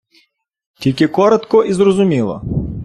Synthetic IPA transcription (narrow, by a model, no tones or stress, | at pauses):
tʲilʲkʲɪkɔɾɔt̪kɔʔizrɔzʊmʲilˠɔ̰